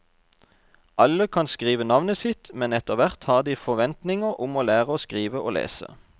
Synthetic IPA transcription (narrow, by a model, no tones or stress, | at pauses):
ʔɑləkʰɑnskʁiːʋənɑʋnəsɪt̪mɛnɛt̪əʁʋæʁt̪hɑːʁd̪iːfɔʋɛnt̪nɪŋəʁʔʊmoːlæːʁəoːskʁiːʋəʔoːlḛːsə̰